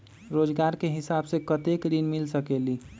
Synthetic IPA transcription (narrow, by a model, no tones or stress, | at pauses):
ɾoːd͡ʒɡaːɾkeɦɪsaːbsekət̪ekɾinmɪlsəkeːliː